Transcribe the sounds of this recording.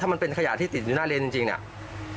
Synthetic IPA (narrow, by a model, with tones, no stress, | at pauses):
a˥˩ma˧npe˧nkʰa˧ja̰˨˩t̪ʰiː˥˩i˨˩˨uː˧˦naː˥˩le˧nt͡ɕi˧ŋt͡ɕi˧ŋnḭ˨˩ʔ